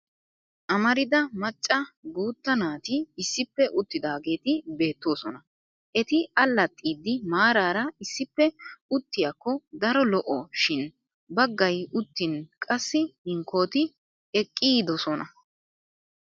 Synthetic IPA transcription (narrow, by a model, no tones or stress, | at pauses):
ʔɐmɐɾɪd̪ɐmɐt͡ʃʼːɐɡuːt̪ːɐnaːt̪ɪːsːɪpːɛʔʊt̪ːɪd̪aːɡe̞ːt̪ɪbe̞ːt̪ːo̞ːsɔnɐ | ʔɛt̪ɪɐlːɐt̪ʼːiːd̪ːɪmaːɾaːɾɐɪsːɪpːɛʊt̪ːɪjakːɔd̪ɐɾɔlɔʔɔʃɪn | bɐɡːɐjʊt̪ːɪnkʼɐsːɪhɪŋkʰo̞ːt̪ɪ | ɛkʼːiːd̪ɔsɔnɐ